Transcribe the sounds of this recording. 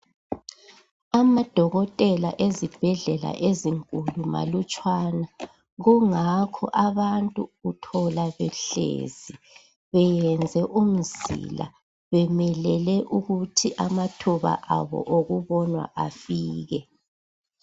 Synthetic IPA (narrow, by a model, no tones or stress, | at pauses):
amad̥ʱɔɣɔtʼɛla̰ʔezib̥ʱɛɮɛla̰ʔeziŋkʼuluma̰lut͡ʃʼwana | ɣuŋakʰɔ̰ʔaβantʼuːtʰɔlaβɛɬḛːzi | βɛjɛnd͡zʱɛʔum̩zḭla̰ | βɛmɛlɛlɛʔuɣutʰiʔamatʰuβa̰ʔaβɔ̰ʔoɣuβɔnwa̰ʔafiːɣɛ